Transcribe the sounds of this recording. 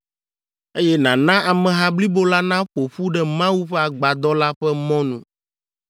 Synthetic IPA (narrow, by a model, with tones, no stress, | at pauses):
e˦jɛ˦nã˨nã˦ʔa˨mɛ̃˨ɦã˦bli˦bo˦la˦nã˦ɸo˨ɸu˦ɖɛ˦mã˦wu˦ɸɛ˦a˨ɡ͡ba˨d̪ɔ˦la˦ɸɛ˦mɔ̃˦nṵ̃˨